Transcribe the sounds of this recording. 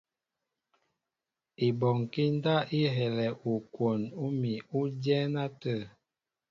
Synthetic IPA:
i˨bɔ˨ŋ˨ki˦n˦da˦ʔi˦ɦɛ˨lɛ˨ʔu˨kwo˨nu˦mi˨u˦djɛ˦na˦tə˦˨

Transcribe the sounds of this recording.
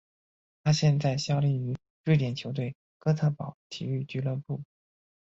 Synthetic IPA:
t̪ʰa˥ɕjɛ˥˧nt͡sa˥˩ɪɕjɑ˥ʊli˥˩y˧˥ | ɻy˥˩t̪̬jɛ˨˩nt͡ɕʰjo˧˥ʊt̪we˥˩ɪ | kɤ˥t͡sʰa˥˩pɑ˨˩˦ʊt̪ʰḭ˨˩y˥˩t͡ɕy˥lə˥˧pu˥˩

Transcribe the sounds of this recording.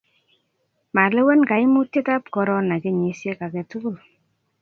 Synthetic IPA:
ma˨lɛ˦wɛ˦nka˨i˦mu˦te˦ta˦pkɔ˧ɾɔ˦na˨ke˦ɲi˨sje˦ka˨kɛ˨tu˦ku˦l

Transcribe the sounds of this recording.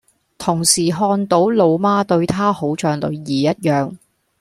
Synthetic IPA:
t̪ʰʊ˨˩ŋsiː˨˩ɦɔː˧nt̪o˨˥wlo˨˧wmaː˥t̪ɵ˧ɥt̪ʰaː˥ho˨˥wt͡ʃœː˧ŋlɵ̰˨˧ɥjiː˨˩jɐ˥t̚jœː˨ŋ

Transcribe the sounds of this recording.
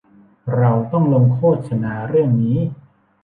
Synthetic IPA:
ɾa˧wt̪ɔ˥˩ŋlo˧mkʰoː˥˩t̪̚sʰa˧naː˧ɾɯ˥˩əŋniː˦˥

